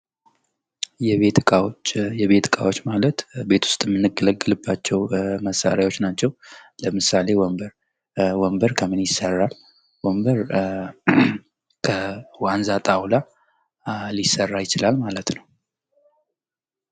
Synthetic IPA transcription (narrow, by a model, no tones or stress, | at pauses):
jɛβet̪ʼajɛβe̞t̪kʼa̰wot͡ʃːmalət̪be̞t̪ʰʊ̥st̪ʼmːɨnːɨɡːɨləɡːɨlɨbːat͡ʃːɛwməsːa̰ɾjawo̞t͡ʃːnat͡ʃːɛwləmɨsale̞wmbəɾ | wɔmbəɾkʰəmɨnjɪsːərːal | wɔmbəɾ | kʰəwanzat̪ʼawla | lisːərːajɪt͡ʃɪlalmalət̪nəw